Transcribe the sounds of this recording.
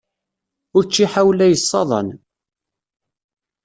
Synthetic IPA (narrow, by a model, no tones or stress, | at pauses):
ʊɾt͡ʃːiħawlæjəsˤːɑðˤɑ̰n